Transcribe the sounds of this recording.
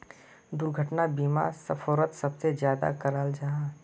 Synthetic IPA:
d̪ʊɾɡʱəʈnabiːma̰səfʰɔːɾət̪sɐbsed͡ʒjaːd̪a̰kəɾaːld͡ʒãː

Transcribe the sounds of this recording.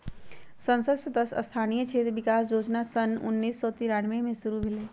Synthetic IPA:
sə̃nsəd̪səd̪əsə̰st̪ʰanijət͡ʃʰet̪bikasɾod͡ʒnasənṵnːisːɔt̪iɾaɽmemẽsuɾubʱele

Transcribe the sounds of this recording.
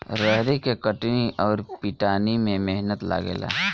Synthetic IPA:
ɾəɦɾekekəʈniʔɔːɾpiʈaːnimẽmeɦnət̪la̰ːɡḛːla̰ː

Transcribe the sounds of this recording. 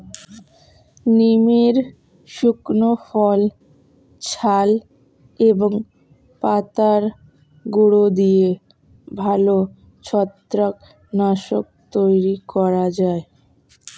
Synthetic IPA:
nimeɾ | ʃuknofɔl | t͡ɕʰal | eboŋ | pat̪aɾ | ɡuɽod̪ie | bʱalo | t͡ɕʰɔt̪ːɾak | naʃok̚t̪ojɾikɔɾad͡ʑae

